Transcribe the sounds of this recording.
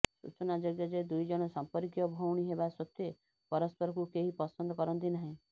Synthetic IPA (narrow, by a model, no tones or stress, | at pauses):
sṵt͡ʃɔnad͡ʒɔɡjɔd͡ʒed̪ujd͡ʒɔɽ̃ɔsɔmpɔɾikjɔbʱowɽ̃iɦebasɔt̪ːe | pɔɾɔspɔɾɔkukeɦipɔsɔnd̪ɔkɔɾɔnt̪̬inaɦĩ